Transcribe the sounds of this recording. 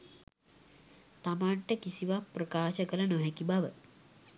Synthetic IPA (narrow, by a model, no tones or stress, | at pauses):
t̪amaɳʈəkisiʋapɾɐkaːʃɐkɐɾɐnoɦekibaʋə